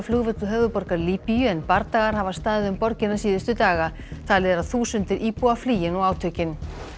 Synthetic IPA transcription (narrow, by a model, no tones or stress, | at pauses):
flʏɣvʏt̪ʏɦœːvʏpɔɾkaɾliːpijʏɛnpaɾt̪aɣaɾ̥havast̪aːðɪðʏmpɔɾcɪnːasiːðʏst̪ʏt̪aːɣa | t̪ʰaːlɪɛɾaðθuːsʏnt̪ɪɾʔiːpuafliːjɪnɔɣaːwt̪ʰœcɪn